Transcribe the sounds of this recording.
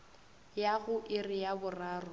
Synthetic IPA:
jaɣʊʔɪrɪjabʊraːrʊ

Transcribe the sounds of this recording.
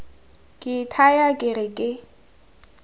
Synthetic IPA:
kʼɪtʰajakʼɪrɪkʼɪ

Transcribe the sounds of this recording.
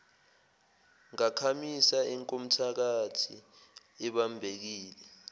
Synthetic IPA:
ŋakʰamisaiŋkʼom̩tʰak̬atʰi | ɛɓambʱek̬iːlɛ

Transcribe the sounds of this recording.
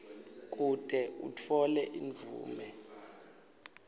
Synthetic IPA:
k̬ʼud̥ʱɛṵtʰɔlɛʔiɱvʱṵːmɛ

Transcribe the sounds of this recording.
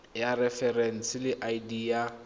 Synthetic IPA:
jarɛfɛrɛn̩sɪlɪʔaidiːa

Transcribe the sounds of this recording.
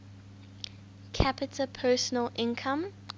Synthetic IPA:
kʰæpɪtʰəpʰɜːˑsənəlʔɪ̃nkʰãm

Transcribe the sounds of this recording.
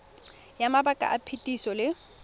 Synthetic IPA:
jamabakʼa̰ʔapʰetʼisɔlɪ

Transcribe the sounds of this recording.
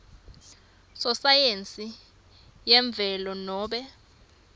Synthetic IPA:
sɔsajent͡sʼi | jɛɱb̪vʱɛlɔnɔːɓɛ

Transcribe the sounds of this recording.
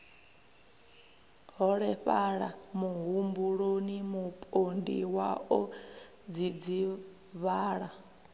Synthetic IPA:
ɦɔɺɛɸaɺa̰muɦumbuɺonimupʼondḭwaɔ | d͡zid͡zi | βaːɺa

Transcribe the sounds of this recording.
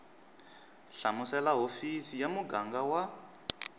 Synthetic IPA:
ɬamusɛlaɦofisijamuɡaŋɡawa

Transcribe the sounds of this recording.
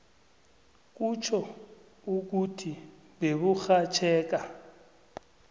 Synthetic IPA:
k̬ʼut͡ʃʰɔ | uk̬utʰi | beβuxat͡ʃʰɛːk̬ʼa

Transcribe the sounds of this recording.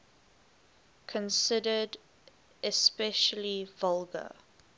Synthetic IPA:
kʰə̃nsɪdəd | ʔɛspɛʃəlivʌlɡə̰

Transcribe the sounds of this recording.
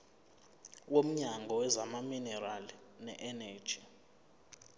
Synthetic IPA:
wom̩ɲaŋɡʱɔwɛzamaminɛralinɛʔɛnɛːd̥ʒ̥ʱi

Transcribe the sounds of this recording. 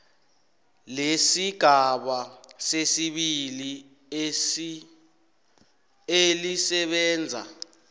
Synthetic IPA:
lesiɡ̥ʱaɓasesiɓili | elisɛɓɛːnd͡zʱa̰

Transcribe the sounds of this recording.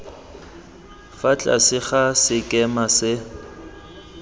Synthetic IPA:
fat͡ɬʼa̰sɪχasɪkʼɛmasɪ

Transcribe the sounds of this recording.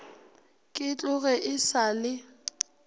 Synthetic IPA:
kʼɪt͡ɬʼʊɣɛʔɪsalɪ

